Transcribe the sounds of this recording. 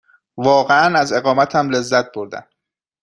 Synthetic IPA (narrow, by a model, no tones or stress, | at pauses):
vɒːɣeænæze̞ɣɒːmæt̪ʰæmle̞zːæt̪̚ʰboɾd̪æ̰n